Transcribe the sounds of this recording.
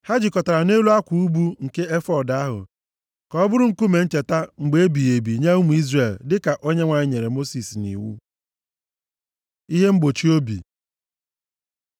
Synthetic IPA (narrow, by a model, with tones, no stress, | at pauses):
ha˦d͡ʒi˨kɔ˨ta˨ɾa˨ne˦lu˦a˦kʷu˨u˦bu˦ŋ̩˨ke˦e˦fɔ˦˨da˦ɦʊ̰˨ | kɔ˨ɔ˦bʊ˦ɾʊ˦ŋ̩˦ku˦me˨n̩˦t͡ʃe˨ta˦ŋ͡m̩˨ɡ͡be˨e˦bi˨e˨bi˨ɲa˦u˦mu˨i˦zre˨ldɪ˦ka˨ʔo˦ɲe˦ŋʷa˨ɲɪ˦ɲe˨ɾe˨mo˦si˨snḭ˨wṵ˦ | i˦ɦe˦ŋ͡m̩˦ɡ͡bo˨t͡ʃi˦o˦bḭ˨